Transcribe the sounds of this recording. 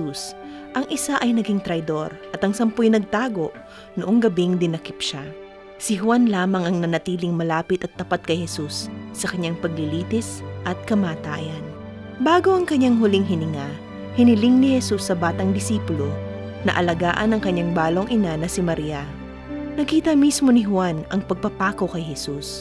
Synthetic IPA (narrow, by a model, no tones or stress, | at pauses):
us | ʔɐŋʔɪsaʔɐjnɐɡiŋt̪ɾɐjd̪o̞ɾʔɐt̪ɐŋsɐmpʊjnɐɡ̚t̪aːɡo̞ʔ | noʔoŋɡɐbiŋd̪ɪnɐkɪp̚ʃa | sɪɦʊwanlaːmɐŋɐŋnɐnɐt̪iːlɪŋmɐlaːpɪt̪ɐt̪ːɐpat̪̚kɐjhɛsusːɐkɐɲaŋpɐɡ̚lɪliːt̪ɪsʔɐt̪̚kɐmaːt̪aːjɐn | baːɡo̞ʔɐŋkɐɲːaŋɦʊlɪŋɦɪnɪŋa | hɪnɪlɪŋnɪhɛsusːɐbaːt̪ɐŋd̪ɪsiːpʊlo̞ | nɐ̰ʔɐlɐɡaːʔɐnɐŋkɐɲːaŋbaːlo̞ŋʔɪnanɐsɪmɐɾiːɐ | nɐkiːt̪ɐmismo̞nɪɦwanʔɐŋpɐɡ̚pɐpaːko̞kɐjhɛsus